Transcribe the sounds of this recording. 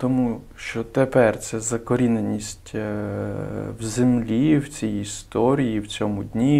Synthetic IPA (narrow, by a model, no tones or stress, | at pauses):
t̪ɔmu | ʃt͡ʃɔt̪epɛrt̪sɛzɐkɔɾʲinenʲisʲtʲ | wzemlʲiwt͡sʲijist̪ɔɾʲijiwt͡sʲɔmʊdʲnʲi